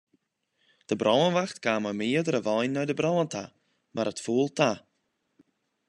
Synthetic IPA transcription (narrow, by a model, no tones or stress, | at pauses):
d̪̥əbɾɔlˠənvaxtɡ̥aːmamɪːdəɾəvɔjnːajdəbɾɔlənt̪ʰa | mʔaɾətfuːlˠt̪ʰa